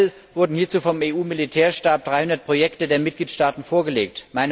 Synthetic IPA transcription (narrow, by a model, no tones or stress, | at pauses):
l | vʊɐdn̩hiːɐt͡suːfɔmeːuːmilitʰɛːɐʃtaɐp̚d̥ʁaɪhʊndɐt̚pʁ̥ojɛktədeːɐmɪt̚ɡ̥liːtʃtaːtn̩foːɐɡəleːk̚tmaɪn